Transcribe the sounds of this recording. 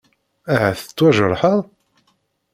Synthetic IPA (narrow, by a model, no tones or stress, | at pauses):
aʕæθə̥t͡sːwæʒəɾˤħəðˤ